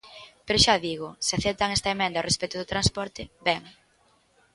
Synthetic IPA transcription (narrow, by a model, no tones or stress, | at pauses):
peɾʊʃaðiɣʊsɪaθɛp̚t̪aŋɛst̪ɐemɛ̃nd̪aorespɛjt̪ʊðʊt̪ɾanspɔɾt̪ɪbɛŋ